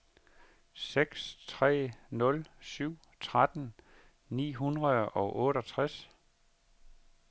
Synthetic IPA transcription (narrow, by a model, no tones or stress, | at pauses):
seɡ̥st͡sʰʁɛ̰ːnɔ̽lsyʊ̰ | t͡sʰʁad̥n̩ | nḭːɦunʁɐðˠɒ̽ʊʔɔ̽ːɾɒ̽t͡sʰʁas